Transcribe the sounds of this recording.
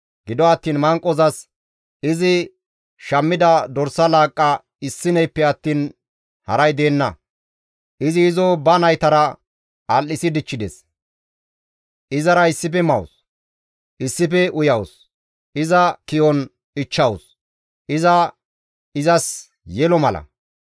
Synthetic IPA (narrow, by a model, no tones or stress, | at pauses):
ɡɪd̪ɔɐt̪ːiːnmɐŋkʼːɔzɐs | ɪzɪ | ʃɐmːɪd̪ɐd̪ɔɾsɐlaːkʼːɐ | ɪsːɪnɛjpːɛɐt̪ːiːn | hɐɾɐjd̪e̞ːnːɐ | ʔɪzɪːzobɐnɐjt̪ɐɾɐ | ɐlːɪsɪd̪ɪt͡ʃːɪd̪ɛs | ʔɪzɐɾɐɪsːɪpɛmɐws | ʔɪsːɪp̬ɛʔʊjɐws | ʔɪzɐkɪjɔn | ɪt͡ʃːɐwʊs | ʔɪzɐ | ɪzɐs | jɛlɔmɐlɐ̰